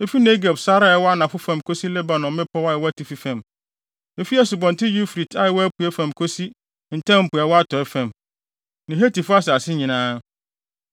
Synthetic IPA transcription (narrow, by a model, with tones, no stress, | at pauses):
e˦fi˦ne˦ɡe˨bsa˦ɾa˦˨ɛ˨˦wɔ˦a˦nã˨fʊ˦fã˨mkʰo˦si˦lɛ˦ba˨nɔ̃˨mːɪ̃˦pʰɔ˦wa˦ɛ˨wɔ˦æ˦tʰi˨fi˨fɛ̃˨m | e˨fi˦ɛ˦sʊ˨bɔ̃˨n˨tʰɪ˦ju˦fɾi˨tʰa˦jɪ˨wɔ˦æ˦pʰu˨ɛ˦fæ̃˨mkʰo˦si˦ | n̩˨tʰã˦m̩˨pʊ˨a˨wɔ˦a˦tʰɔ˨ɛ˦fɛ̃˨m | nɪ̃˨ɦe˦ti˨fʊ˦a˦sɛ˨a˨sɪ˦ɲĩ˨nãː˦